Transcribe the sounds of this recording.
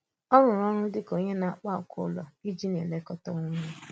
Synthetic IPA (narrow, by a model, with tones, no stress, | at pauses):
ɔ˦ɾʊ̃˨ɾɔ˦ɾ̃ʊ˦dɪ˦ko˦ɲe˦na˦k͡pa˦˨kʰʊ̰˦˨lɔ̰˨i˦d͡ʒi˦n˨e˨le˨˦kɔ˦tɔ˦ŋʊ˦ɲ˦e˦